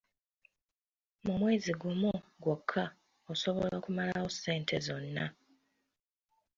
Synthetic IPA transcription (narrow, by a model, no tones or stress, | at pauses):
mumwe̞ːziɡumuɡwo̞kʰːa | oso̞βo̞lakumalawo̞se̞ːntʰe̞zo̞nːa